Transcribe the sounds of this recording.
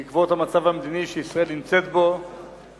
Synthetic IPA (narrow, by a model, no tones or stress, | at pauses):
ikvo̞t̪hamat͡savhamed̪iniʃeisʁae̞lnimt͡se̞t̪bo̞